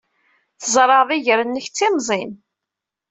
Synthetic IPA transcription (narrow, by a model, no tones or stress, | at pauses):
θzˤɾˤɑðiʝəɾənːəçt͡sːimzˤin